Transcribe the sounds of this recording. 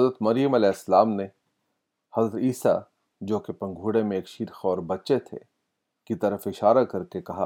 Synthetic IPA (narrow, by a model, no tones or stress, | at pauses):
ɐzɾət̪mɐɾijəmɐlɛːɦɪsːɐlaːmne | hɐzɾət̪iːsa̰ | d͡ʒoːkepɐ̃ŋɡʱuːɽemẽeːkʃiɾxɔːɾbɐtːʃet̪ʰḛ | kit̪ɐɾəfɪʃaːɾakɐɾkekɐɦa